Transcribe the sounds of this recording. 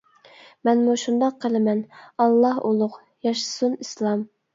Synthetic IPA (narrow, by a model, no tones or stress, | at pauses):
mɛnmuʃund̪ɑqʰːəlˠɪmɛnɑlˠːɑɦolˠʊq | jɑʃɨ̥sunislˠɑm